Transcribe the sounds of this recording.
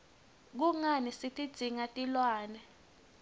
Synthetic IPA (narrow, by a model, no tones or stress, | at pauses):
k̬uŋanisitʼid̥z̥ʱiŋatʼilwaːnɛ